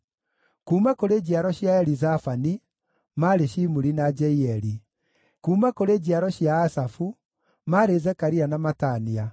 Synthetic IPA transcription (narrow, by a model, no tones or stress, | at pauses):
kuːmakoɾed͡ʑaɾɔɕjaɛɾizafani | maɾeɕimuɾinad͡ʒɛiɛɾi | kuːmakoɾeːd͡ʑiaɾɔɕjaːsafu | maɾezɛkaɾianamatania